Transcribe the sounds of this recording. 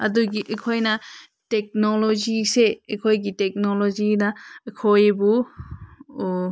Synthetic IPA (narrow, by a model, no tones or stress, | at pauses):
ɐduɡiʔekʰojna | tek̚nolɔziseekʰojɡitek̚nolɔzinaekʰojbu